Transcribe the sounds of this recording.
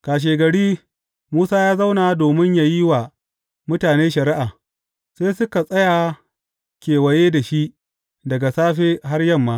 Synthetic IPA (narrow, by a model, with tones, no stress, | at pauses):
kaː˨ʃ̬eː˨ɡɐ˨ɽiː˦ | muː˦saː˦jaː˦za˦wnaː˨doː˨mɪ˦ɲjaː˨ji˦wa˨ | mʊ˦taː˨neː˦ʃɐ˨ɾɪ˦ʔaː˨ | seː˦sʊ˦ka˨sʼɐ˦ja˨ | kʲeː˨wɐ˨jeː˦da˨ʃi˦ʔ | dɐ˨ɡa˨saː˦ɸeː˦ɦa˦rjɐ˦˨mːaː˦